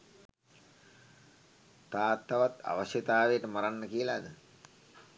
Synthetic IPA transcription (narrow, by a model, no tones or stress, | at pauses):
t̪aːt̪ːaʋat̪a̰ʋəsjət̪aːʋejəʈəmaɾanːəkiəlaːd̪ə